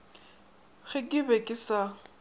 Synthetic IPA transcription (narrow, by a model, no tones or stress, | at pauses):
ɣɪkʼɪbɛkʼɪsa